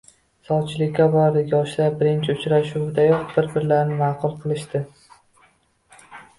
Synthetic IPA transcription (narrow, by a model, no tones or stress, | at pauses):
sɒwt͡ʃʰɪlɪkʲːabɒɾɾɪjɒʃlaɾbɪɾɪnt͡ʃʰɪʊt͡ʃɾaʃud̪ajɒχbɪɾbɪɾlaɾnɪmɑqʊlˠqʰɨlˠɪʃt̪ɪ